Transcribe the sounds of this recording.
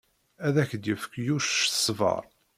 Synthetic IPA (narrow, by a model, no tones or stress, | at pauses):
æðæçd̪jəfə̥kːjuʃʃə̥sˤvə̰ɾˤ